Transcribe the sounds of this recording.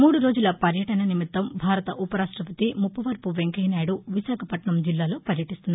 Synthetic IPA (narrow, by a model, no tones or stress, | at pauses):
muːɽuɾo̞ːd͡ʒulɐpɐɾjɐʈɐnɐnimit̪ːɐmbʱaːɾɐt̪ɐʔupɐɾaːʂʈɾɐpɐt̪imupːɐʋɐɾpuʋeŋkɐjnaːjɽuʋiʃaːkʰɐpɐʈɳɐmd͡ʒilːaːloːpɐɾjɐʈist̪und̪i